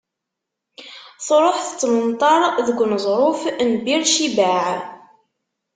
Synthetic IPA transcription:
θˤɾˤoħθə̥t͡sːmənt̪ˤɑɾˤðəɡʷnəzˤɾˤʊfnbiɾʃibaʕ

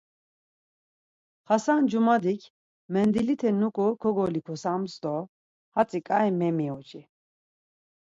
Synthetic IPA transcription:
χasand͡ʒumad̪ikʰʲ | mɛnd̪ilit̪ʰɛnukʼɔkʰɔɡɔlikʰɔsamsd̪ɔ | hat͡sʼikʼaimɛmiɔt͡ʃʼi

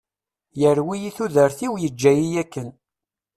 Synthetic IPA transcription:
jəɾwijiθuðəɾθiwjəd͡ʒːæjijækːən

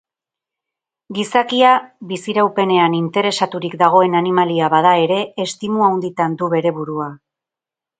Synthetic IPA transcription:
ɡisakiaβisiɾawpe̞ne̞anint̪e̞ɾe̞sat̪uɾikd̪aɣ̞o̞e̞nanimaliaβaðae̞ɾe̞ːst̪imuawnd̪it̪and̪uβe̞ɾe̞βuɾua

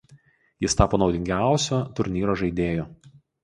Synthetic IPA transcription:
jɪst̪ɑːpoːnɒʊd̪ʲɪŋʲɡʲæˑʊsʲoːt̪ʊɾʲnʲiːɾoːʒɐɪd̪ʲeːjoː

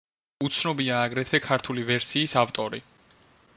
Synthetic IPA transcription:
ut̪sʰnɔbiaːɡɾɛt̪ʰɛkʰaɾt̪ʰulivɛɾsiːsavt̪ʼɔɾi

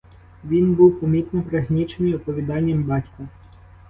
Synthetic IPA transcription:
ʋʲinbuwpɔmʲit̪nɔpɾɐɦnʲit͡ʃenɪjɔpɔʋʲid̪ɑnʲːɐmbɑtʲkɐ

